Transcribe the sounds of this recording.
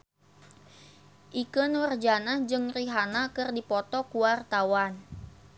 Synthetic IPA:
ʔikənwərd͡ʒanad͡ʒəŋriɦanakɨrdipɔt̪ɔkuwart̪awan

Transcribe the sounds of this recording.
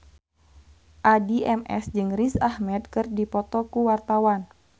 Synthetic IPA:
ʔadiʔɛmɛ̰sd͡ʒɨŋrisahmɛd̪kɨrdipɔt̪ɔkuwart̪awan

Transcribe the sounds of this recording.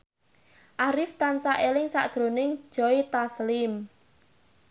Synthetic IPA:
ʔaɾɪft̪ansaʔelɪŋsa̰ʔd̥ʒ̥ɾo̤nɪŋ̥ʒ̥ɔit̪aslɪm

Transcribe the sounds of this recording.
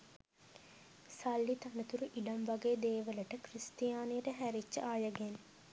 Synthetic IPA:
salːit̪ɐnət̪uɾuʔiɖɐmʋaɡeːd̪eːʋələʈəkrist̪jaːnijəʈəɦæɾit͡ʃːə̰ʔaːjəɡen

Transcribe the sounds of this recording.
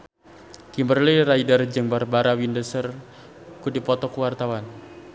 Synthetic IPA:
kimbərliraidard͡ʒəŋbarbaɾawindəsər | kudipɔt̪ɔkuwart̪awan

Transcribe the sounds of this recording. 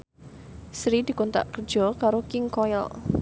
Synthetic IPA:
sɾid̪̥i̤kont̪a̰ʔkər̥d͡ʒ̥ɔkaɾokɪŋkɔjɔ̰l

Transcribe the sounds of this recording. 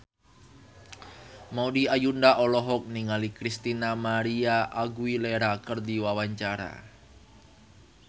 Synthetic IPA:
maudiajundaʔɔlɔɦɔk̚niŋalikɾist̪inamaɾiaʔaɡuileɾakərd̪iwawaɲt͡ʃaɾa̰

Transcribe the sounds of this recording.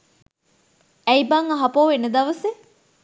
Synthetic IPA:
ɛjbɐŋɐɦɐpoːʋenəd̪ɐʋəse

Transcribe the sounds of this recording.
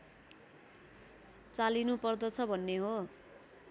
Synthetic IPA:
t͡salinupʌrd̪ʌt͡sʰʌbʱʌnːeɦo

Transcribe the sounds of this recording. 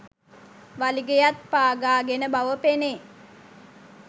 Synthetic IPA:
ʋaliɡejat̪̚paːɡaːɡenəbaʋəpene

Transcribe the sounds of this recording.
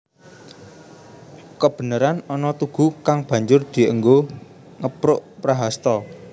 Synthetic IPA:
kəb̥ə̤nəɾanɔnɔt̪uɡ̥ṳkaŋb̥ä̤ɲd͡ʒʊrd̪̥i̤ʔəŋɡo | ŋəpɾʊʔpɾaɦast̪ɔ

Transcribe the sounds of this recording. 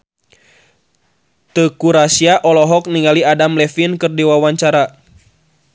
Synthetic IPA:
t̪əkuɾasiaʔɔlɔɦɔk̚niŋaliadamlɛfinkɨrdiwawaɲt͡ʃaɾa

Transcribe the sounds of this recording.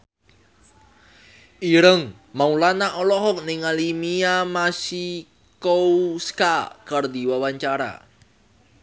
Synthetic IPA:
ʔiɾəŋ | maulanaʔɔlɔɦɔk̚nɪŋalimiamasi | kouskakərd̪iwawaɲt͡ʃaɾa̰

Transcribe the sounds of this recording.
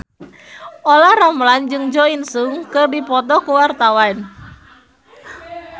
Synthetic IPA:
olahramland͡ʒɨŋd͡ʒɔinsuŋkɨrdipɔt̪ɔkuwart̪awan

